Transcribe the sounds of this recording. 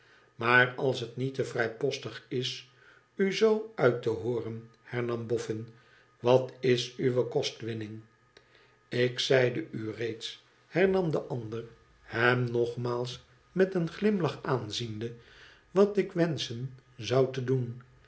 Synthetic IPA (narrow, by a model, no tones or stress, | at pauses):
maːɹɑlˠsɦətnitəvrɛjpɔstəχɪs | yzowœɥtəɦʊːrən | hɛɹnɑmbɔfɪn | ʋɑtɪsyʋəkɔstʋɪnɪŋ | ɪksɛjdəyrejts | hɛɹnɑmdəʔɑndər | hɛmnɔχmaːlˠs | mɛtənχlɪmlɑχaːnzində | ʋɑtɪkʋɛnsənzɑwtədun